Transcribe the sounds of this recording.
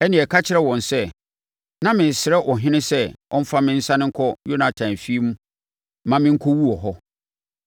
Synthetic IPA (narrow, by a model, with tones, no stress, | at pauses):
ɛ˦nɪ̃˨ɛ˨kʰa˦t͡ɕʰɪ˨ɾɛ˦wɔ̃˨nsɛ˦ | nã˦mɪ̃˨n̩˨sɪ˨ɾɛ˦ʔɔ˨ɦɪ̃˦nɪ̃˦sɛ˦ʔɔ̰̃˦m̩˦fa˦mɪ̃˦n̩˦sã˦nɪ̃˦ŋ̩˦kʰɔ˦jo˦nã˨tʰã˨nfi˦mũ˦ | mã˨˦mɪ̃˦ŋ̩˦kʰɔ˦wu˦ɔ˨ɦɔ˦